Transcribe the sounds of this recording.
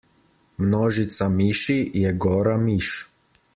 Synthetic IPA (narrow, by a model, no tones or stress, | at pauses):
mnɔʒit̪samiʃijɛɡoːɾamiʃ